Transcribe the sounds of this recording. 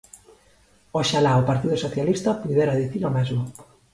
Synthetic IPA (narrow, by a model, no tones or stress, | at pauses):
oʃalaopaɾt̪iðʊsoθjalist̪ɐpuðeɾaðiθiɾomezmʊ